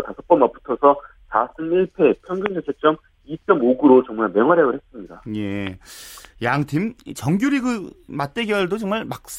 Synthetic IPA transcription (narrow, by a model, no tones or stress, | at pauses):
tasʰʌp͈ʌmːapu̥tʰʌsʰʌ | sasʰɯniɭpʰe̞pʰjʌŋɡund͡ʑʰʌt͡ɕʰet͡ɕ͈ʌm | it͡ɕ͈ʌmoɡuɾot͡ɕʌŋmaɭmeŋɦwaɾeɡɯɭhes͈ɯmɲidaje̞ | jaŋtʰimt͡ɕʌŋɡjuɾiɡɯmat̚t͈e̞ɡjʌɭdot͡ɕʌŋmaɭmak̚s͈